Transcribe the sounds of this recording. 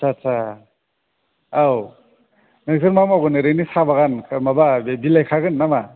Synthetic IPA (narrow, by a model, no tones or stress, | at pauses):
sat͡sʰa | aw | nezɯɾmamaɡɯnɯɾɯnisabaɣankʰmababilajkʰaɡɯnːama